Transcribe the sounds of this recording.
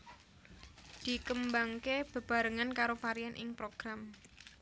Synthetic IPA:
d̪̥i̤kəmbaŋkeb̥ə̤b̥a̤ɾəŋankaɾofaɾianʔɪŋpɾoɡ̥ɾam

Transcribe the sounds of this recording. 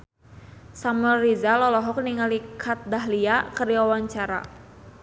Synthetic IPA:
samuəlrizalɔlɔɦɔk̚niŋalikʰat̪̚daɦliakəriwawaɲt͡ʃaɾa̰

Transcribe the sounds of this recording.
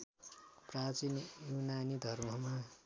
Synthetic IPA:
prat͡sinjunanid̪ʱʌrmʌma

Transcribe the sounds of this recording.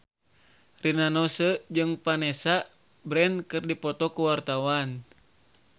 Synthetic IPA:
rinanɔsəd͡ʒɨŋpanɛsa | bɾɛnkɨrdipɔt̪ɔkuwart̪awan

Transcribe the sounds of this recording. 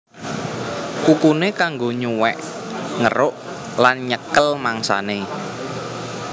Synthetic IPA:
kukunekaŋɡoɲuwɛ̰ʔŋəɾʊʔlanɲəkəlmaŋsa̰ne

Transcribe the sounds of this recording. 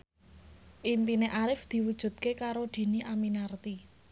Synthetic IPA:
ʔimpineʔaɾɪfd̪̥i̤wud̥ʒ̥ṳt̪̚kekaɾod̪̥i̤niʔaminart̪i

